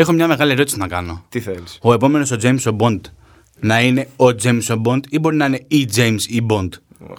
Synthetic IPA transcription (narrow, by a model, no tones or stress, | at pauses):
e̞xo̞mɲɐme̞ɣɐlieɾo̞t̪isinɐkɐno̞t̪iθeliso̞e̞po̞me̞no̞so̞d͡ze̞jmso̞bo̞nd̪ | nɐine̞o̞d͡zejmsobo̞nd̪ibo̞ɾinɐine̞id͡zejmsibo̞nd̪̥